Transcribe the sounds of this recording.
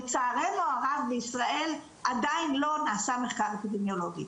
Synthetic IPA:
et͡saːʁemoaʁavbeisʁaʔe̞l | ʔad̪ainlo̞naːsame̞χkaʁepid̪emjo̞lo̞ɡi

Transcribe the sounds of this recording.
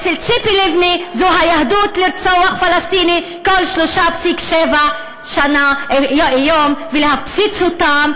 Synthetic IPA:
t͡selt͡sipilivnizuɦajahd̪ut̪liɾt͡soaχfalast̪ini | kolʃloʃapsikʃeva | ʃana | jomvelehaft͡sit͡sut̪am

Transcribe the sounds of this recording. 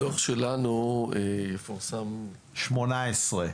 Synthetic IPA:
oχʃelanuejefaʁsam | ʃmonaesʁe

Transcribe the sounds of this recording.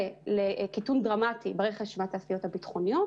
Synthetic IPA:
elekitundʁamatibaʁeχeʃmataːsijo̞thabitχo̞nijo̞t

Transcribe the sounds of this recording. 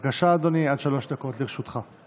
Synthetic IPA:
ɡaʃaːd̪o̞niad̪ʃalo̞ʃd̪ako̞t̪liʁʃut̪χa

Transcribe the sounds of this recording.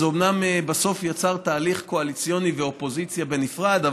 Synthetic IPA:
eomnamebaso̞fjat͡saʁt̪aːliχko̞alit͡sijo̞niveo̞po̞zit͡sjabe̞nifʁad̪a

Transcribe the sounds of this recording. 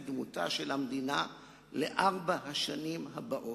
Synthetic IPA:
d̪muta̰ʃelamd̪ina | leʔaʁbaɦaʃanimɦabaʔo

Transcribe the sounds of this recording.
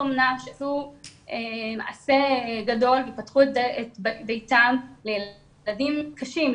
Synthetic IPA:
omnaʃeasuʔema̰ʕa̰se̞ɡado̞lveipatχuetetbbejtamleje | adimkaʃim

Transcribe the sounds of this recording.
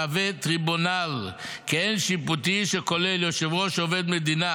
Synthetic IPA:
avet̪ʁibunal | keenʃiput̪iʃekoleljoʃevʁoʃoved̪med̪ina

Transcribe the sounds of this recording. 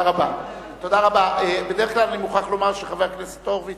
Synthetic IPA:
ʁaba | t̪o̞d̪aʁabaʔebedeeχklalanimuχaχlo̞maʁʃeχaveʁknese̥t̪o̞ʁve

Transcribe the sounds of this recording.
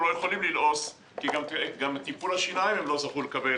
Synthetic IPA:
lojeχolimlilʔo̞s | kiɡameɡamt̪ipulhaʃinaimemlo̞zaχulekabe

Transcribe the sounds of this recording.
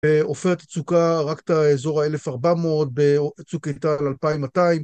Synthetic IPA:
beofeʁet̪at͡sukaʁakt̪aezo̞ʁaelefaʁbamoot̪̚beat͡sukatalalpaimːataim

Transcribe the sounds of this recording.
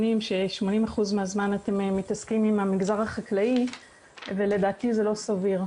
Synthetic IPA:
nimʃe̞ʃmo̞nimaχuzmeazmanate̞memitaskimimamiɡzaʁhaχaklai | ve̞le̞d̪aːt̪ize̞lo̞saviʁ

